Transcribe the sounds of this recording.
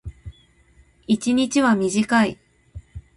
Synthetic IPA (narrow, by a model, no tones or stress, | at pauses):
it͡ɕiɲ̟it͡ɕiβamʲiʑikai